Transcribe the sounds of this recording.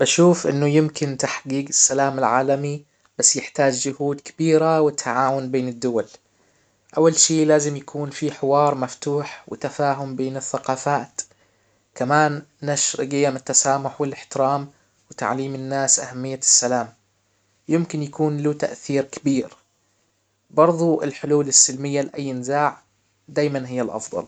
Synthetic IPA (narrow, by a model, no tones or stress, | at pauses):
b̥aʃuːfʔɪ̰nːʊjɪmkɪnt̪aħɡiːɡɪsːalaːmɪlʕaːlami | b̥asːjɪħt̪aːd͡ʒd͡ʒʊhuːd̪kɪ̥biːɾawɪt̪ʰːaʕaːwʊnbeːnɪd̪ːʊwal | ʔawːalʃiːlaːzɪmjakʰuːnfiħɪwɑːɾˤmaft̪uːħwɪ̰t̪afaːɦʊmbeːnɪθːaqɑːfaːt̪ | kamaːnː | aʃɾɡɪjːamɪt̪ːasaːmʊħwɪlɪħt̪ɪɾaːm | wɪt̪a̰ʕliːmɪnːaːsʔahamːɪjːasːalaːm | jɪmkɪnjakuːnlut̪a̰ʔθiːɾkɪbiːɾ | bɑɾˤðˤuɪ̰lħʊluːlɪsːɪlmɪjːalɪʔajːɪnɪzaːʕ | d̪aːjmanɦɪjːalʔɑ̰fðˤɑ̰l